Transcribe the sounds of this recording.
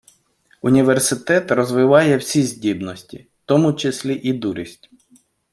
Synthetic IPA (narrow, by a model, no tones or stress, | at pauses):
unʲiʋersɪt̪ɛt̪rɔzʋɪʋɑjɛwsʲizʲdʲibnɔsʲtʲi | t̪ɔmʊt͡ʃɪsʲlʲiʔid̪uɾʲisʲtʲ